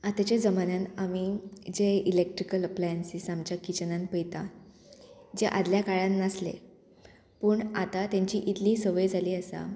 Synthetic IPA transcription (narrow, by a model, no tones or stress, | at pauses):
at̪ət͡ɕed͡zəmananamid͡ʑeilek̚ʈɾikələplajənsisamt͡ɕjakit͡ɕənãnpəjt̪a | d͡zeʔad̪ljakaɭãnːaslḛ | pəːɳat̪at̪jãɲt͡ɕiːʔit̪liːsəʋəjd͡zʱaliːəsa̰